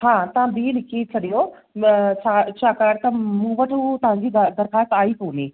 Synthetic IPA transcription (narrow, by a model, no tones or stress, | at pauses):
ɦãːt̪ɐʋãbiːlɪkʰet͡ɕʰɐɗijo | t͡ɕʰaːt͡ɕʰaːkaːɾt̪ɐmũːʋɐʈʰut̪ɐɦãɲd͡ʑid̪d̪ɐɾxaːst̪aːipoːniː